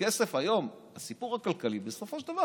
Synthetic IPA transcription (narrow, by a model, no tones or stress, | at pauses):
esefhajo̞m | hasipuʁhakalkalibeso̞foʃd̪ava